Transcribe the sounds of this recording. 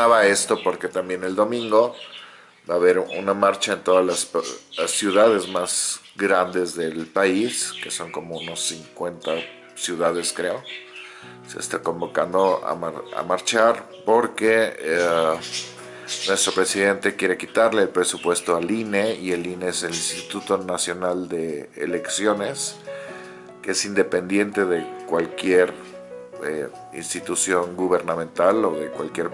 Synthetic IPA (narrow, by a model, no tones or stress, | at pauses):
aβae̞st̪o̞po̞ɾke̞t̪ambje̞ne̞ld̪o̞mĩŋɡo̞ | baːβe̞ɾṵnamaɾt͡ʃaent̪o̞ðalassjuðaðe̞zmaz | ɡɾand̪e̞zðe̞lpaiske̞so̞ŋko̞mo̞uno̞sːiŋkwe̞nt̪a | sjuð̞að̞e̞skɾe̞o̞ | se̞̰ːst̪ako̞mbo̞ka̰nd̪o̞a̰maɾa̰maɾt͡ʃaɾ | po̞ɾke̞ | nwe̞st̪ɾo̞pɾe̞siðe̞nt̪e̞kje̞ɾe̞kit̪aɾle̞ːlpɾe̞supwe̞st̪o̞aline̞ieline̞ese̞linst̪it̪ut̪o̞nasjo̞nald̪e̞̰ːle̞ksjo̞ne̞s | keesind̪e̞pe̞nd̪je̞nt̪e̞ðe̞kwalkje̞ɾ | ḛ | ḭnst̪it̪usjo̞ŋɡuβe̞ɾnãmẽnt̪alo̞ðe̞kwa̰lkje̞ɾ